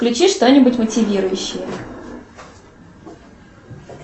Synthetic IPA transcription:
klʲʉt͡ɕiʂt̪o̞nʲɪbʊtʲmətʲɪvʲiɾʊjʉɕːɪjə

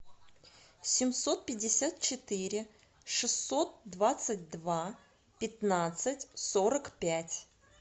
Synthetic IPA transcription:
sʲɪmso̞t̪̚pʲɪdʲːɪsʲat̪̚t͡ɕɪt̪ɨɾʲɪ | ʂɨsːo̞t̪̚d̪vat̪sɨt̚ʲd̪va | pʲɪt̪nat̪sɨtʲso̞ɾəkpʲætʲ

